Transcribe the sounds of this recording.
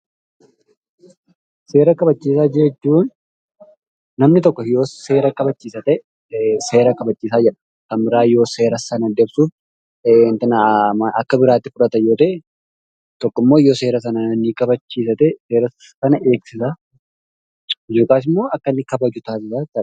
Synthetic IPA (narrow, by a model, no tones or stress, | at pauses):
se̞ːɾɐkɐbɐt͡ʃːiːs̬aːd͡ʒɛɛd͡ʒːuːn | ɐmnɪt̪ɔkːɔjo̞ːse̞ːɾɐkɐbɐt͡ʃːiːsɐt̪ɛ | se̞ːɾɐkɐbɐt͡ʃːiːsaːd͡ʒɛᶑɐ̥ | kɐnbɪɾaːjo̞ːse̞ːɾɐsɐnɐd̪ebsuːf | ɪnt̪ɐnɐɐkːɐbɪɾaːt̪ːɪfʊᶑɐt̪ɐjo̞ːt̪ɐ | t̪ɔkːɔɪmːo̞ːɪjoseːɾɐs̬ɐnɐnɐnːiːkɐbɐt͡ʃːiːsɐt̪ɛseːɾɐs | sɐnɐʔe̞ːksɪsa | ɪd͡ʒo̞ːkaːs̬ɪmːo̞ːɐkːɐnːɪkɐbɐd͡ʒʊt̪aːs̬ɪsat̪ɐᶑ